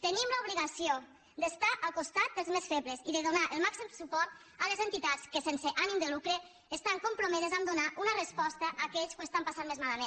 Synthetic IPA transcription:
t̪ənimləuβliɣasio | d̪əst̪aʔalˠkust̪at̪̚d̪əlˠzmesfeβleziðeðunaʔelˠmaksimsupɔɾt̪̚ | alezent̪it̪at͡skesenseʔanimd̪əlukɾeː | st̪aŋkumpɾomeðezamd̪unaʔunərespɔst̪əʔaːkɛʎskuest̪ampasanmezmalamen

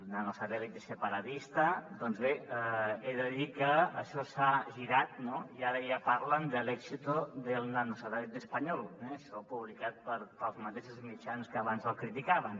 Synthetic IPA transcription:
lnanosaðɛlik̪̚d̪əsəpaɾat̪ist̪ad̪ɔnzβe | eðəðikəːʃɔsaʒiɾat̪̚noiaɾəjapaɾlənd̪əlɛksit̪uðəlˠnanusaðɛlik̪̚d̪əspaɲɔlˠɛʃɔpuβ̞likat̪̚pəɾpəlˠzmət̪eʃuzmit͡ʃanskəːβanzəlˠkɾit̪ikaβən

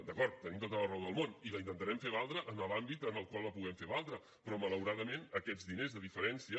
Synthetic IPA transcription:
d̪əkɔɾt̪̚ːənimt̪ot̪ələrɛwðəlˠmoniləint̪ənt̪əɾɛmfeβalˠd̪ɾəʔənəlambit̪ənəlˠkwalˠəpuɣɛmfeβalˠd̪ɾə | pɾɔmələwɾaðəmenəkɛd͡zðinezðəðifəɾɛnsiə

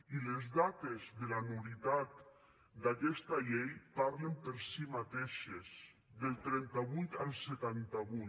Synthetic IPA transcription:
ilezðat̪ezðelanuβit̪at̪ | d̪akɛst̪aʎejpaɾlempəɾsimat̪eʃez | ðelˠt̪ɾɛnt̪aβujt̪alˠset̪ant̪aβu

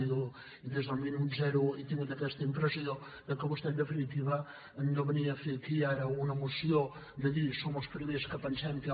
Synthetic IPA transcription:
iðu | iðezðəlˠminut̪zɛɾuit̪iŋɡut̪əkɛst̪əimpɾəsio | d̪əkəβust̪ɛld̪əfinit̪iβəː | nd̪oβəniəfekiaɾəunəmusio | d̪əðisoməlˠspɾimeskəpənsɛmk

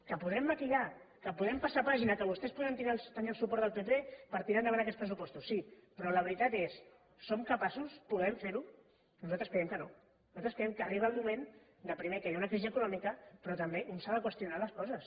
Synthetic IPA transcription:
kəpuðɾɛmːəkiʎa | kəpuðɛmpasapaʒinəkəβust̪ɛspuðənt̪iɾat̪əniəlsupɔɾt̪əlˠpet̪epəɾt̪iɾand̪əβanəkɛt̪spɾəs̬upɔst̪usːipɾɔləβɾit̪at̪esː | omkəpasuspuðɛɱfeɾu | nuzalˠt̪ɾəskəɾɛmkəno | uzalt̪ɾəskəɾɛmkəːriβəlˠmumẽn | d̪əpɾimekəjaunəkɾiziəkunɔmikəpɾɔt̪əmbeʔunsaðəkwəst̪junaləskɔzəs

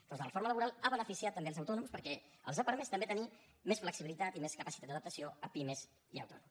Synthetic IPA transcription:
p̪ɔzələfoɾmələβuɾalˠaβənəfisiat̪ːəmbelzəwt̪ɔnumspəɾkɛə̰lˠzəpəɾmest̪əmbet̪əni | mesfləksiβilit̪at̪imeskəpəsit̪at̪d̪əðəp̚t̪əsijoəpimez | iə̰wt̪ɔ̰num

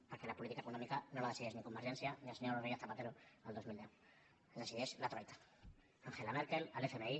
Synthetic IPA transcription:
poɾke̞lapolit̪ikaekonomikano̞laðeiðenikomːaɾʃensjanialseɲoɾrejaθapat̪e̞ɾoald̪o̞zmild̪eu | d̪esiðeslat̪ɾajt̪ḁ | aŋxelameɾke̞lalefemei

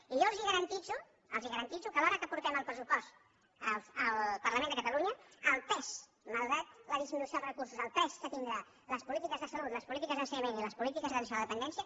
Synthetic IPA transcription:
iʒoəlˠziɣəɾənt̪id͡zu | əlziɣəɾənt̪it͡sukəlɔɾəkəpuɾt̪ɛməlˠpɾəsupɔst̪ | ələlˠpəɾrləmend̪əkət̪əluɲəːlˠt̪ɛs | məlˠɣat̪ləð̞izminusjoðˠrəkuɾsuzəlˠt̪ɛskət̪ind̪ɾa | ləspulit̪ikəzðəsəlut̪ləspulit̪ikəzðənsəɲəmẽniləspulit̪ikəzðənsialðəpənd̪ɛnsiə

